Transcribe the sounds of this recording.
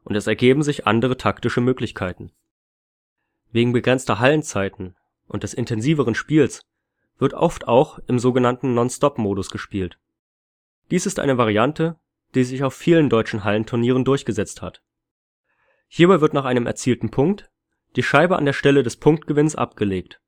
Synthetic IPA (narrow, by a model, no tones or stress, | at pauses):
ʔʊntɛsɛɐɡeːbm̩zɪçʔa̰ndəʁ̞ətʰaktɪʃəmøːklɪçkʰaɪtn̩ | veːɡŋ̩bəɡʁɛnt͡stɐɦalənt͡saɪtn̩ | ʔʊ̰ntd̥ɛsɪntʰɛnziːvəʁ̞ənʃpiːls | v̥ɪɐtʔɔ̰ftaʊxɪmzoːɡənantn̩nɔnstɔpmoːdʊsɡ̥əʃpiːlt | d̥iːsɪstʔa̰ɪnəvaʁ̞iantʰə | d̥iːzɪçaʊfiːləndɔʏt͡ʃn̩ɦaləntʰʊɐniːʁ̞əndʊɐçɡ̥əzɛt͡stha̰t | hiːɐbaɪvɪɐtnaːχaɪnəmʔɛ̰ɐt͡siːltn̩pʰʊŋk̚t | d̥iːʃaɪbəʔa̰ndeːɐʃtɛlədɛspʰʊŋkt̚ɡ̥əvɪnsʔa̰pɡ̥əleːkt